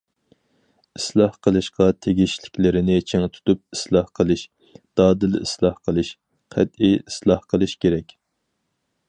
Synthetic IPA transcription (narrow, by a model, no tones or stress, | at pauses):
islˠɑhqəlˠɨʃqɑt̪ʰeɡʲiʃlɪkʲlɪɾɪnɪt͡ʃʰeŋt̪ʰu̥t̪up̚i̥slˠɑhqʰəlˠɨʃ | d̪̥ɑːd̪ɨlḭslˠɑhqʰəlˠɨʃ | qʰæt̪iislˠɑhqʰəlˠɨʃkʲʰeɾɛkʲ